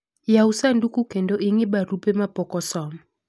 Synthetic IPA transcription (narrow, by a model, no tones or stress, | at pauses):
jausandukukendoʔiŋɪbaɾupemapɔkɔsɔmɔ